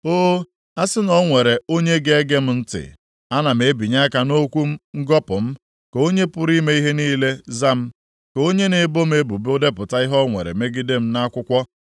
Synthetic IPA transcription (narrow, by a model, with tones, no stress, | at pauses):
oː˦ | a˦sɪ˦nɔ˦ŋʷe˨ɾe˨o˦ɲe˦ɡe˦ɡe˦m̩˦n̩˦tɪ̰˨ | a˦na˨m̩˨e˦bi˨ɲa˦ka˨no˦kʷu˦m̩˦ŋ̩˦ɡɔ˦pʊ˨m̩˦ | ko˦ɲe˦pʊ˦ɾi˦me˦i˦ɦe˦niː˦le˦za˦m̩˦ | ko˦ɲe˦ne˨bo˦m˦e˦bu˨bo˦de˦pʊ˨ta˦i˦ɦɔ˦ŋʷḛ˨ɾḛ˨me˦ɡi˦de˦m̩˦na˦kʷʊ˦kʷɔ˦